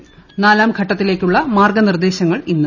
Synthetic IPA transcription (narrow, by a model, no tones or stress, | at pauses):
naːlaːmɡʱɐʈːɐt̪ːile̞ːkʲːuɭːɐmaːrɡɐnird̪e̞ːɕɐŋːɐɭinːu